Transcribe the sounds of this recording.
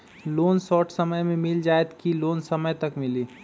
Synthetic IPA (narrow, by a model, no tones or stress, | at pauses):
loːnsɔːʈʰsəməjmẽmɪld͡ʒaːet̪kiloːnsəməjt̪ɐkmɪliː